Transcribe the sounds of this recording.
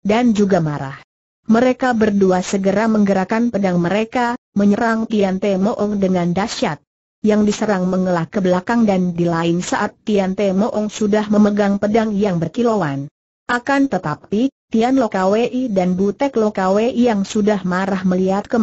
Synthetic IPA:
dand͡ʒuɡamaɾa̰h | məɾekabərduasəɡəɾaməŋɡəɾakanpədaŋməɾekaməɲəɾaŋt̪iant̪ɛmoʔɔŋdəŋandaʃat̪̚ | jaŋdisəɾaŋməŋəlahkəbəlakaŋdandilaɪnsaʔat̪ːiant̪emoʔɔŋsudahməməɡaŋpədaŋjaŋbərkilowan | ʔakant̪ət̪ap̚t̪it̪ianlokaweʔidanbut̪ɛklokaweʔijaŋsudahmaɾahməliat̪̚kə

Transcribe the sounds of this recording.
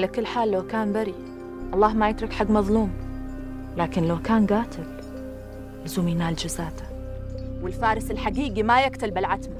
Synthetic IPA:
lakɪlːħaːlːawkaːnbaɾi | ʔɑlˤːɑːhmajɪt̪ɾˤɑkħaɡːmɑðˤluːm | laːkɪnlawkaːnɡaːt̪ɪl | lɪzuːmjnaːld͡ʒɪzaːt̪ḁ | wɪlfaːɾˤɪsɪlħaɡiːɡimajɪkt̪albɪlʕat̪ma

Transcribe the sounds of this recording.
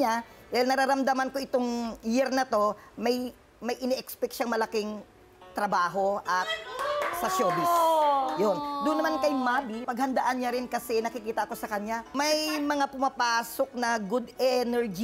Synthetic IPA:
ad̪ajɪlnɐɾaɾɐmd̪ɐmɐnko̞ʔɪt̪o̞ŋjɪɾnɐt̪o̞mɐj | mɐjʔɪnɛʔɛkspɛkʃaŋmɐlɐkɪŋ | t̪ɾɐbaːɦo̞ʔɐt̪̚sɐsoːbɪsjond̪ʊnːɐmankɐjmabipɐɡ̚hɐnd̪ɐʔanɲaɾɪnkɐsɛnɐkɪkiːt̪ɐʔɐko̞sɐkɐɲamɐjmɐŋapʊmɐpaːso̞k̚nɐɡʊd̪ɛnɛɹd͡ʒi

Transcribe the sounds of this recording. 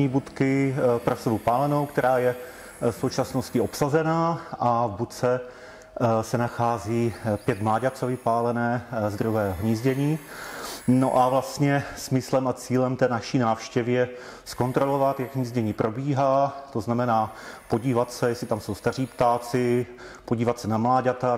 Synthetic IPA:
ɲiːbut̪kɪpɾosɛvupaːlɛno̞wkt̪ɛɾaːjɛ | fso̞wt͡ʃasno̞scɪo̞psazɛnaːʔavbut̪t͡sɛ | sɛnaxaːziːpjɛt̪mlaːɟat͡sovɪpaːlɛnɛːzd̪ɾuɦɛːɦɦɲiːzɟɛɲiː | no̰ʔavlast̪ɲɛsmɪslɛmat͡siːlɛmt̪ɛːnafʃiːnaːfʃcɛvɪjɛ | sko̞nt̪ɾo̞lo̞vat̪jaɡɦɲiːzɟɛɲiːpɾʔo̞biːɦaːt̪o̞znamɛnaːpo̞ɟiːvat̪sɛjɛsɪt̪amso̞wst̪ar̝iːpt̪aːt͡sɪ | poɟiːvat̪sɛnamlaːɟat̪a

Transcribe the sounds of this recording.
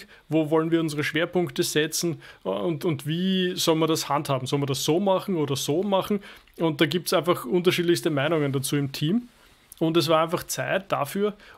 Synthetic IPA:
voːvɔlənviːɐʊnzəʁəʃv̥eːɐpʊŋktəz̥ɛt͡sn̩ʊntʊntviːzɔlnmiɐdashanthaːbm̩sɔlmɐdasːoːmaχn̩oːdɐzoːmaχn̩ | ʊ̃nt̚d̥aːɡiːp̚tsʔæɪnfaχʔʊnt̬ɐʃiːdlɪçstəmæɪnʊŋəndat͡suːɪmtʰiːm | ʊndɛs̬v̥aɐæɪnfaχt͡sæɪt̚d̥a̰fyːɐ

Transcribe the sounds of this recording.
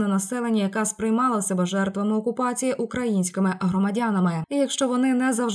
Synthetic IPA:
nɐnɐsɛlˠenʲːɐjɐkɑspɾɪjmɑlˠɐsʲɐbɛʒɛrt̪ʋɐmɪɔkʊpɑt͡sʲijiʔukɾɐjinʲsʲkɪmɪʔɦɾɔmɐdʲanɐmɪijɐkʃt͡ʃɔʋɔnɪnɛzɐwʒ

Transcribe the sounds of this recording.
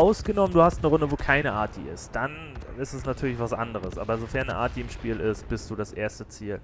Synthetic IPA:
aʊsɡ̥ənɔmənduːhastnəʁʊndəvoːkʰaɪnəʔaːɐt̚ḭːɪst̚d̥an | ɪstɛsnatʰyɐlɪçv̥asʔa̰ndəʁ̞əsʔaːbɐzofɛɐnəʔa̰ɐt̚iːɪmʃpiːlɪst̚b̥ɪstd̥uːdasʔeːɐstət͡siːl

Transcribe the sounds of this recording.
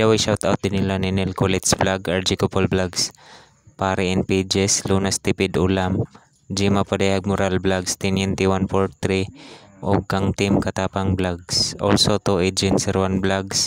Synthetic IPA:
d̪awaʃawt̪a̰wt̪̚d̪ɪnɪlanɪnɛlkʊlɛt̪sblaɡaɹd͡ʒikʊpolblaɡs | paːɾɪʔɛnpid͡ʒɛsluːnast̪ɪpɪd̪ʊlam | d͡ʒimapɐd̪ɛjhaɡ̚mʊɾalblaɡst̪ɛnɛnt̪iwanpoɹt̪ɾiʔoɡ̚kaŋt̪ɪmkɐt̪aːpaŋblaɡsʔo̰lsot̪oʔed͡ʒɛnsɛɾwanblaɡs

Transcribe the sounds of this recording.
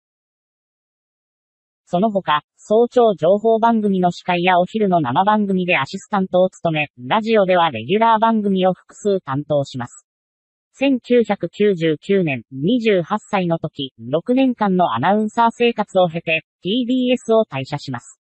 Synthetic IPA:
so̞no̞ɦo̞ka | so̞ːt͡ɕo̞ːd͡ʑo̞ːɦo̞ːbãŋɡɯ̟mʲino̞ɕi̥kaijao̞çiɾɯ̟no̞namabãŋɡɯ̟mʲid̪e̞aɕisɨ̥t̪ãnt̪o̞ːt͡sɨ̥t̪o̞me̞ɾaʑio̞d̪e̞β̞aɾe̞̰ɡʲɯɾaːbãŋɡɯ̟mʲio̞ɸɯ̟̥kɯ̟̥sɨːt̪ãnt̪o̞ːɕimasɨ̥ | sẽ̞ŋkʲɨːçʲakɯ̟kʲɨːʑɨːkʲɨːnẽ̞nɲiʑɨːhasːainot̪o̞kʲiɾo̞kɯ̟nẽ̞ŋkãnːo̞a̰naɯ̟̃ɰ̃saːse̞ːkat͡sɨo̞ɦe̞t̪e̞p̪ʲiːb̪ʲiːe̞sɨo̞t̪aiɕaɕimasɨ̥

